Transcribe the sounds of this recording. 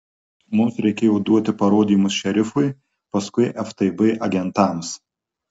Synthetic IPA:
mʊmsɾʲɛɪkʲeːjɛːd̪uɔt̪ʲɪpɐɾoːd̪ʲiːmʊsʃʲɛɾʲɪfʊɪ | pɐskʊɪʔɛft̪ɐɪbɨɪʔɐɡʲɛnt̪ɐˑms

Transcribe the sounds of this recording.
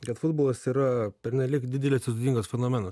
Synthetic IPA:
kɐt̪fʊd̪boːlˠɐsiːɾɐpʲɛɾʲnʲɛlʲɪkd̪ʲɪd̪ʲɛlʲɪsʲɪst̪ʊd̪ʲiːŋɡosfʲɛnoːmʲɛnos

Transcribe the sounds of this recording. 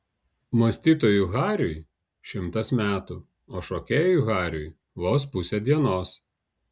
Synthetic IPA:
moːsʲt̪ʲiːt̪oːjuɣɑːɾʲʊj | ʃʲɪmt̪ɐsmʲæːt̪u | oːʃoːkʲeːjjuɣɑːɾʲʊ̰j | ʋoːs̬pʊsʲɛd̪ʲiɛnoːs

